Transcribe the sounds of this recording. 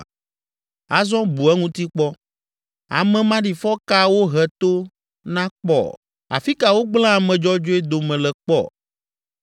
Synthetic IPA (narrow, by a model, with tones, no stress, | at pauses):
a˨zɔ̃˦bu˨ɛ˦ŋũ˦t̪i˦k͡pɔ˦ | a̰˨mɛ̃˨mã˦ɖi˨fɔ˦ka˦wo˦ɦɛ˨t̪o˦ | nã˦k͡pɔ̰˨ | a̰˨fi˦ka˨wo˦ɡ͡bl̃ã˦a˨mɛ̃˨d͡ʒɔ˦d͡ʒo˦ɛ˦d̪o˨mɛ̃˨lɛ˨k͡pɔ̰˦˨